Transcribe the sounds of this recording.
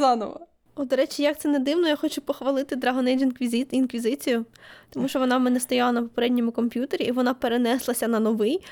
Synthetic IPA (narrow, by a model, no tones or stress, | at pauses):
ɑnɔ̰ʋɐ̰ | ɔd̪ɔɾɛt͡ʃʲɪjɐkt̪ɛned̪ɪwnɔjaxɔt͡ʃʊpɔxʋɐlˠɪt̪ɪd̪ɾɐɦɔnɛjd͡ʒɪnkʲizinkʋʲizɪt͡sʲijʊt̪ɔmuʃt͡ʃɔʋɔnɑmɛnɛst̪ɔjalˠɐnɐpɔpeɾɛdʲnʲɔmʊkɔmʲpʲjut̪eɾʲiʔiʋɔnapeɾenɛslˠɐsʲɐnɐnɔʋɪj